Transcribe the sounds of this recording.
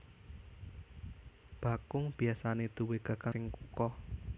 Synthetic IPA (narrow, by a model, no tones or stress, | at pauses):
b̥a̤kʊŋb̥i̤asaned̪̥ṳweɡ̥a̤kaɪŋkukɔ